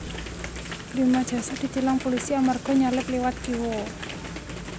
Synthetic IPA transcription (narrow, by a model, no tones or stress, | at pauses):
dimad̥ʒ̥a̤sad̪̥i̤t̪ilaŋpolisiamarɡ̥ɔ̤ɲalɪp̪̚lewat̪̚ɡ̥iwo